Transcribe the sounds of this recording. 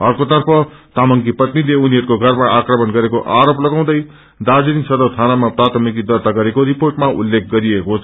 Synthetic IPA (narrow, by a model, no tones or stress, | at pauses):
ʌrkot̪ʌrpʰʌt̪amʌŋkipʌt̪nileuniɦʌɾukoɡʱʌrmaʔakrʌmʌnɡʌɾekoʔaɾoplʌɡaw̃d̪ʌj | d̪ad͡zininsʌd̪ʌt̪ʰanamaprat̪ʰʌmikid̪ʌrt̪aɡʌɾekoɾiporʈmaṵlːek̚ʰɡʌɾiekot͡sʰ